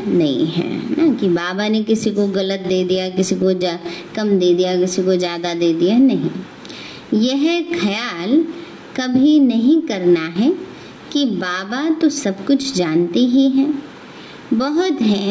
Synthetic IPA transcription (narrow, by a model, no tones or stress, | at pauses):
nɐɦḭ̃ɦɛ̰ːnakibaːbanekɪsikoɣɐlət̪̚d̪eːd̪ijak̬ɪsikod͡ʒkɐmd̪eːd̪ijakɪsikod͡ʒjaːd̪ad̪eːd̪ijanɐɦĩ | jɛɦxʰɐjaːl | kɐbʱinɐɦĩkɐɾnaɦɛ | kibaːbat̪osɐbkʊt͡ʃʰd͡ʒaːnt̪iɦiɦɛ̃ː | bɐɦʊt̪ɦɛ̃